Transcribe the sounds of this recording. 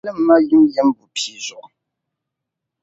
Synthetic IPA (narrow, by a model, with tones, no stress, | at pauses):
lə˦m̩˦ma˦ɣi˦mjɛ˨˦mbu˨pi˨zɔ˨ʔ